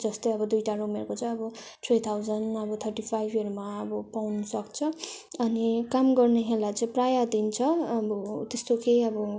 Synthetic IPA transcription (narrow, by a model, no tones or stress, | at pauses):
d͡zʌst̪ʌjʌbʌd̪ujʈarumerkot͡sʌĩʌbʌ | tʰwejt̪ʰawd͡zʌnʌbʌt̪ʰʌrʈipʰajbʱʌɾmaʌbʌpawnʌsʌkt͡sʰʌʌnikamɡʌrneɦelat͡saĩprajad̪int͡sʰʌʌbʌt̪est̪okejʌbʌ